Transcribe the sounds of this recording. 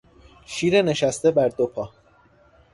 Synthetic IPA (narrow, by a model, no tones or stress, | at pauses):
ʃiːɾene̞ʃæst̪e̞bæɾd̪opʰɒː